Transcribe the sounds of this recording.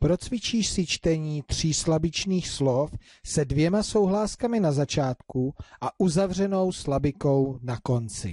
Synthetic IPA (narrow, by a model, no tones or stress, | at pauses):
pɾo̞t͡svɪt͡ʃiːʃsɪt͡ʃt̪ɛɲiːt̪r̝̥iːslabɪt͡ʃniːxslof | sɛdvjɛmaso̞wɦlaːskamɪnazat͡ʃaːt̪kuʔaʔuzavr̝ɛno̞wslabɪko̞wnako̞nt͡sɪ̰